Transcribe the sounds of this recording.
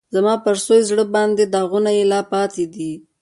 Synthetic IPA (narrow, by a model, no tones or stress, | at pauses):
zamɑpəɾsojzɽəbɑnd̪ed̪ɑɣunajelɑpɑt̪ed̪i